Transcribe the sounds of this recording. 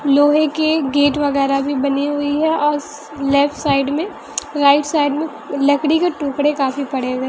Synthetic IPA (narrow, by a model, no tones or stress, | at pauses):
loːɦekeɡeːʈʋɐɣɛːɾabʱibɐniɦʊiɦɛɔːɾ | lɛːfʈsaːɪɖmẽ | ɾaːɪʈsaːɪɖmẽ | lɐkɽikeʈuːkɽekaːfipɐɽeɡeː